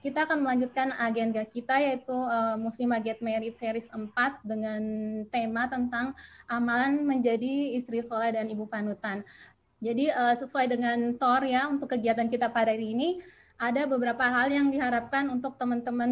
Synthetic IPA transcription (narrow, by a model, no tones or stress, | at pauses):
kit̪aːkanməlaɲd͡ʒut̪̚kanaɡɛnɡakit̪ajait̪uəmusɪmaɡɛt̪̚meɾɪt̪̚seɾɪsəmpat̪̚dəŋant̪emat̪ənt̪aŋʔamalanməɲd͡ʒadiːst̪ɾisolahdanibupanut̪an | d͡ʒadiəsəsuajdəŋant̪ɔrjaunt̪ʊkːəɡiat̪ankit̪apadaɾiːni | ʔadabəbəɾapaɦaljaŋdiɦaɾap̚kanunt̪ʊk̚t̪əmənt̪əmən